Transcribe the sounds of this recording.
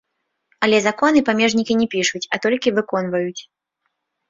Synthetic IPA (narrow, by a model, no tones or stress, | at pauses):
ɐlʲɛzakɔnɨpamʲɛʐnʲikʲinʲɛpʲiʂut͡sʲɐt̪ɔlʲkʲivɨkɔn̪vɐjut͡sʲ